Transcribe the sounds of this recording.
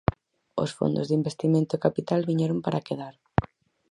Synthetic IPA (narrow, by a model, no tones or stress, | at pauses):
o̰sfo̰nd̪o̰zðimbest̪imẽnt̪ʊekapit̪alβiɲɛɾompaɾakeðaɾ